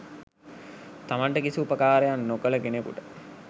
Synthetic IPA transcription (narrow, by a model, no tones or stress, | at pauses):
t̪amaɳʈəkisiupəkaːɾejanːokələɡenekṵʈə